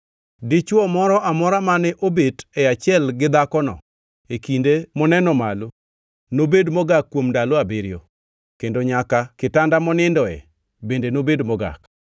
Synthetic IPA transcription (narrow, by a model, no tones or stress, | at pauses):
dɪt͡ʃwɔmɔɾɔʔamɔɾamanɛʔobetɛat͡ʃɪɛlɡɪd̪akɔnɔ̰ | ekindemɔnɛnɔmalo | nobedmɔɡakːwomndaloabeɾjo̰ | kendoɲakakɪtandamɔnɪndɔɛ̰ | bendenobedmɔɡa̰k